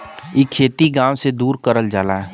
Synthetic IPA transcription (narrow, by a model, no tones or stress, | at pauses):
ikʰeːt̪iɡãːwsed̪uːɾkəɾəld͡ʒaːlaɦɛ